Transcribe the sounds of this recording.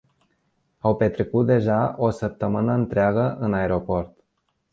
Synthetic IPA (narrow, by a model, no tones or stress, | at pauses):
awpe̞t̪ɾe̞kut̪̚d̪e̞ʒaʔo̞səp̚t̪əmɨnəɨnt̪ɾeaɡəʔɨnaeɾo̞po̞rt̪